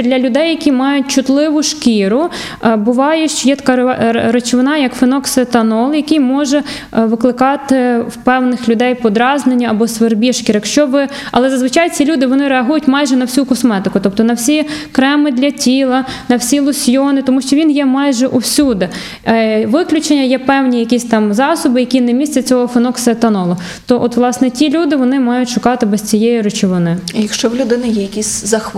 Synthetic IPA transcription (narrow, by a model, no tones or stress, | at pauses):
d̪lʲɐlʲʊd̪ɛjːɐkʲimɑjʊt̚ʲt͡ʃʊt̪lˠɪʋʊʃkʲiɾʊ | bʊʋɑjɛʃt͡ʃɔjɛt̪ɐ̥kɑɾɐt͡ʃʋɪnɑjɐkfɪnɔksɪt̪ɐnɔlˠjɐkʲijmɔʒɛ | ʋɪklˠɪkɑt̪ɪwpɛwnɪxlʲʊd̪ɛjpɔd̪ɾɑznenʲːɐɐbɔsʋerbʲiʃkʲiɾɐkʃt͡ʃɔbɪ | ɐ̰lˠɛzɐzʋɪt͡ʃɑjt͡sʲilʲud̪ɪʋɔnɪɾeɐɦujʊtʲmɑjʒɛnɐwsʲukɔsmɛt̪ɪkʊt̪ɔp̚t̪ɔnɐwsʲikɾɛmɪd̪lʲɐtʲilˠɐnɐwsʲilˠʊsʲjɔnɪt̪ɔmuʃt͡ʃɔʋʲinjɛmɑjʒɛʔuwsʲud̪ɪ | ʋɪklʲʊt͡ʃenʲːɐjɛpɛwnʲijɐkʲisʲt̪ɑmzɑsɔbɪjɐkʲinɛmʲisʲtʲt͡sʲɐt͡sʲɔɦɔfɪnɔksɛt̪ɐnɔlˠɔ | t̪ɔʔɔt̪ʋlˠɑsnɛtʲilʲud̪ɪʋɔnɪmɑjʊtʲʃʊkɑt̪ɪbɛst͡sʲijɛjiɾʊt͡ʃɪʋɔnɪjɐkʃt͡ʃɔwlʲʊd̪ɪnɐjɛjɐkʲisʲzɐx